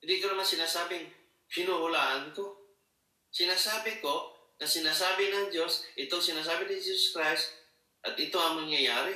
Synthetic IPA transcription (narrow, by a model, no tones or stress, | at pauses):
hɪnd̪iʔkonɐmaŋsɪnasaːbɪŋ | pɪnuhʊlaːʔank̪o | sɪnasaːbɪko | nɐsɪnasabɪnɐŋd͡ʒosɪt̪oŋsɪnas̬aːbɪnɪd͡ʒisoskɾajst̪ | ʔɐt̪ɪt̪oŋamaŋjajaːɾɪ